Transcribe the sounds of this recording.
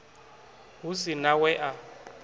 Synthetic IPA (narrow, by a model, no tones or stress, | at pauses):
ɦusinawɛʔa